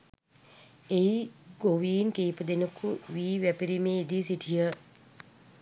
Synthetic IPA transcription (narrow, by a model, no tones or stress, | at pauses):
eiɡoʋiːnkeːpəd̪enəkuʋiːʋæpiɾimeːid̪isiʈʰijə